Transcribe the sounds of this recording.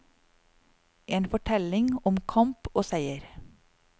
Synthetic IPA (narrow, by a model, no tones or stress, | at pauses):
ʔeːnfɔʈʰɛlɪŋɔmkʰɑmpoːsæɪəɾ